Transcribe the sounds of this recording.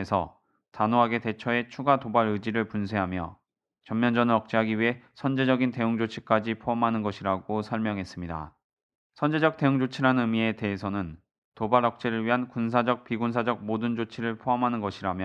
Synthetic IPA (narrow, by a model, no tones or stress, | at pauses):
esʰʌ̰ | tanoɦaɡe̞te̞t͡ɕʰʌe̞t͡ɕʰuɡatobaɾɯd͡ʑiɾɯɭpunsʰe̞ɦamjʌ | t͡ɕʌmːjʌnd͡ʑʌnɯɾʌk̚t͡ɕ͈iɦaɡiɥiɦe̞sʰʌnd͡ʑe̞d͡ʑʌɡinte̞uŋd͡ʑot͡ɕʰik͈ad͡ʑipʰoamɦanɯnɡʌɕʰiɾaɡosʰʌɭmjʌŋɦes͈ɯmɲida̰ | sʰʌnd͡ʑe̞d͡ʑʌk̚te̞uŋd͡ʑot͡ɕʰiɾanɯmie̞te̞ɦesʰʌnɯn | tobaɾʌk̚t͡ɕ͈eɾɯɭɥiɦankuns̬ʰad͡ʑʌk̚piɡuns̬ʰad͡ʑʌk̚modɯnd͡ʑot͡ɕʰiɾɯɭpʰoamɦanɯnɡʌɕʰiɾamjʌ